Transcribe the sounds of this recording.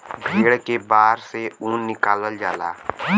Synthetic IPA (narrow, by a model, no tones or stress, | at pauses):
bʱeːɽkebaːɾseũːnːɪkaːləld͡ʒaːlaː